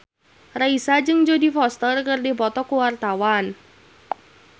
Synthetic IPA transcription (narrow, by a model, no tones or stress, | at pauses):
raisad͡ʒɨŋd͡ʒodifɔst̪ərkərdipɔt̪ɔkuwart̪awan